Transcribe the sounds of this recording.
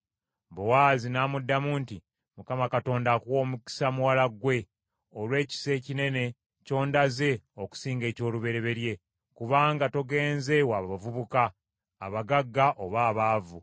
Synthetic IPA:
bowaːzinaːmudːamuːnti | mukamakato̞ːndakuwo̞ːmuki̥samuwalaɡwe̞ | olwe̞ːci̥se̞ːcine̞ne̞ | co̞ːndaze̞oku̥siːŋɡe̞ːco̞ːluβe̞ɾe̞βe̞ɾje̞ | kuβaːŋɡato̞ɡe̞ːnze̞waβavuβukaː | βaɡaɡːaʔo̞βaːβaːvu

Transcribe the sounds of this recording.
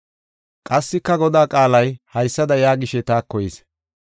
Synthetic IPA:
kʼɐsːɪkːɐɡɔd̪aːkʼaːlɐjhɐjsːɐd̪ɐjaːɡɪʃɛt̪aːkːɔjɛs

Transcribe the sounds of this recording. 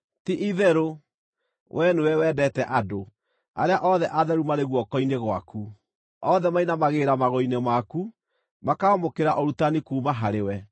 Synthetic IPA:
tiʔiðɛɾo | wʔɛnuwɛwɛdɛtɛʔado | a̰ɾeaʔɔðɛʔaðɛɾumaɾeɣwɔkɔineɣwa̰ku | ɔðɛmainamaɣeːɾamaɣɔinemaku | makaɔmokeɾaʔɔɾutanikuːmaɦaɾewɛ

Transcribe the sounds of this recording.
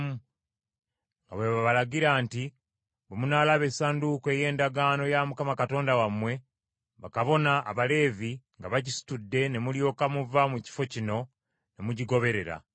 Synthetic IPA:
mu | ŋɡaβweβaβalaɟiɾaːnti | bemunaːlaβe̞sandukeje̞ːndaɡano̞jamukamakato̞ːndawamwe̞ | βakaβo̞na̰ːβale̞ːviŋɡaβaɟisi̥tudːe̞ne̞muljo̞ːkamuvamuci̥fo̞cino̞ | ne̞muɟiɡo̞βe̞ɾe̞ɾa̰

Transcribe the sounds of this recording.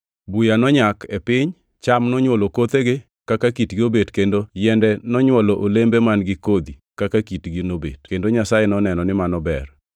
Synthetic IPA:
bujanɔɲakepɪɲ | t͡ʃamnɔɲwolokot̪eɡɪ | kakakitɡiobedkendojɛndɛnɔɲwɔloʔolembemanɡɪkod̪ikakakitɡinobḛd̥kendoɲasajenɔnɛnɔnɪmanɔbɛr

